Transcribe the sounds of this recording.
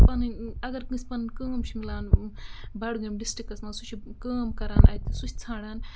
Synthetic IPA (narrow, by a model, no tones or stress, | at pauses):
pɐnɨnʲɐɡɐɾkɨ̃sʲpɐnɨnkəːmt͡ʃʰimilaːnbɐɽɡɐmɖisʈikɐsmɐsut͡ʃʰikəːmkɐɾaːnɐ̰jt̪isut͡ʃʰi̥t͡sʰaːɽaːn